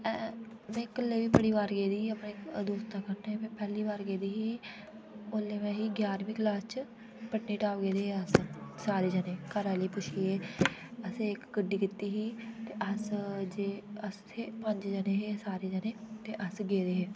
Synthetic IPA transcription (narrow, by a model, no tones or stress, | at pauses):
ɛː | mɛ̃ːkəlːeːʋiːpəɽiːʋaːɾɡeːd̪iːəpned̪oːst̪ãːkəɾneɦeːmɛ̃ːpɛːliːʋaːɾɡeːd̪iːɦiː | oːlːeːmɛ̃ːɦiːɡjaːɾʋĩːklaːst͡ʃ | pəʈniːʈaːɡeːd̪eːɦeəssaːɾeːd͡ʒəneːkaːɾaːliːpʊʃʰiːɦeːəseɪkɡəɖːiːkɪt̪ːiːɦiːt̪eːʔəsd͡ʒeːəst̪ʰeːpə̃ɲd͡ʒd͡ʒəneːɦeːsaːɾeːd͡ʒəneːt̪eːʔəsɡeːd̪eːɦeː